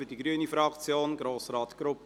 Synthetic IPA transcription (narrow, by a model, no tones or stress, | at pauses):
ydiɡɾyənifɾɑkt͡sjoːnɡɾoːsrɑːtɡ̥ɾʊpp